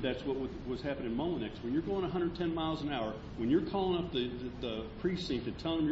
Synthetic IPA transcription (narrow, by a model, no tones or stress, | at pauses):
ðætswʌt̚wʌdwʌz̥hæpɨ̃nɨ̃nmõʊmə̃nɛkst̚wɨ̃njə˞ɡoʊɪ̃ŋəɦʌ̃ndə˞d̚tʰɛ̃nmaɪlˠzə̃naʊə˞ | wɨ̃njə˞kʰɔlˠɪ̃ŋʌp̚ðɨðəpʰɹ̥istsĩtɨ̃ntʰɛ̃l̃ˠmj